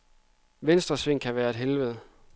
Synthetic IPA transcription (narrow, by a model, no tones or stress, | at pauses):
ʋensd̥ʁɐsʋe̝ŋ̰kʰæʋæːɐe̝d̥ɦelʋəð̞̩ˠ